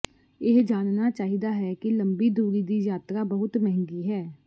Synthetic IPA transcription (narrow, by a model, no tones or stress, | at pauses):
ɪɦd͡ʒaːnnaːt͡ʃaːɦiːd̪aːɦɛːkɪləmbiːd̪ʱuːɾiːd̪iːjaːt̪ɾaːbəɦʊt̪mɛɦŋɡiːɦɛː